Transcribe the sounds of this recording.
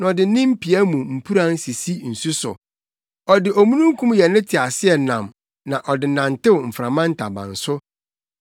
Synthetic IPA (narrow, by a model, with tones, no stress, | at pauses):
n˨ɔ˨dɪ˨˦nɪ̃˦m̩˦pʰi˨æ˦mũ˨m̩˨pʰu˦ɾã˦n˦si˨si˦n̩˨su˦sʊ̰˨ | ɔ˨dɪ˨ʔɔ˨mũ˦nũ˦ŋ˦kʰũ˦mjɛ˨nɪ̃˦tʰɪ˨a˨sɪ˦ɛ˨nã̰˨m | nã˨ʔɔ˨dɪ˨nã˨n˨tɪ˦wm̩˨fɾã˨mã˦n̩˦tʰa˨bã̰˨n̩˨sʊ˦